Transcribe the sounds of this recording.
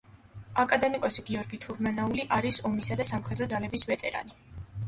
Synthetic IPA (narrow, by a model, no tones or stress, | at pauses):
akʼad̪ɛmikʼɔsiɡiɔɾɡit̪ʰuɾmanauliʔaɾisɔmisad̪asamχɛd̪ɾɔd̪zalɛbisvɛt̪ʼɛɾa̰ni